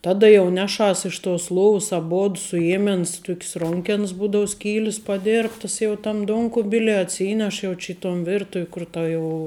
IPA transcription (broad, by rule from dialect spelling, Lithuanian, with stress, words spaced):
ˈtɑːdɐ jɛʊ ˈnʲæːˌʃɐs ɪʃ toːs ˈlˠoːws ɐˈboːt sʊˈjeːmʲɛns ˈtʊkʲs ˈroːŋʲkʲɛns ˈbuːdɐʊ ˈsʲkʲiːlʲɪs pɐˈdʲeːrptɐs jɛʊ tɐm ˈduɔŋkʊbʲɪlʲiɛ ɐtʲˈsʲiːnʲɛʃ ˈjɛʊ t͡ʃʲɪ ɪ toːn ˈʋʲɪrtʊw kʊr ˈtɐ ˈjɛʊ